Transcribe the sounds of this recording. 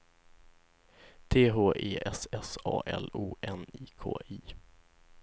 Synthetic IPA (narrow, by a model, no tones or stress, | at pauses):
t̪ʰeːɦoːʔeːʔɛsɛsɑːʔɛluːʔɛniːkʰo̰ːʔiː